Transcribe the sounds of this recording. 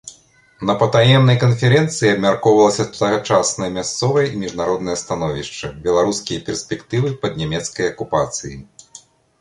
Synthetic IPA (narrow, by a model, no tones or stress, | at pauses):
nɐpɐt̪ajɛmnɐjkɐnfʲɛɾɛnt̪sɨjiɐbmʲarkɔwvɐlˠɐsʲɐt̪ut̪aɣat͡ʂasnɐjɐmʲast̪sɔvɐjɐimʲiʐnaɾɔd̪nɐjɐst̪anɔvʲiʂt͡ʂɐbʲɛlˠaɾuskʲijɐpʲɛrsʲpʲɛkt̪ɨvɨpɐd̪nʲamʲɛt̪skɐjɐkupat̪sɨji